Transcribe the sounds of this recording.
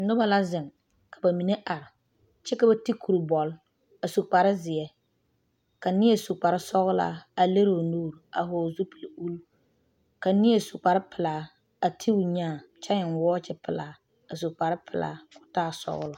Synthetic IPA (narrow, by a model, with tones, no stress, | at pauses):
n̩˦dʊ˦ba˨la˦zɪ˨ŋ | kʰa˨ba˨mi˨ne˦ʔa˨ɾɪ˨ | t͡ʃɛ˦ka˦ba˦ti˦kʰu˨ɾbɔ˨l | a˨su˨k͡pa˨ɾɪ˦zɪ˨ɛ˦ | ka˨nɪ˦e˨su˨k͡pa˨ɾɪ˦sɔ˦ɣʊ˦la̰˦˨a˨le˦ɾo˨nuː˦˨ɾa˨ɦɔ˨zu˦pi˨lu˦l | ka˨ni˦e˦˨su˨k͡pa˨ɾɪ˦pʰɪ˨laː˨˦ | a˨tʰi˦ʊ˨ɲaː˦˨t͡ʃa˦ɲɪ˨nwɔː˦t͡ʃɪ˦pɪ˨laː˨˦ | a˨su˨k͡pa˨ɾɪ˦pʰɪ˨la̰˨˦kʊ̥˦taː˦˨sɔ̰˦ɣʊ˦lʊ˨